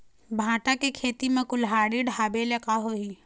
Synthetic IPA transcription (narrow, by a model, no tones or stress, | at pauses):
bʱãːʈakekʰeːt̪imẽkʊlɦaːɽiɖʱaːbelekaɦoi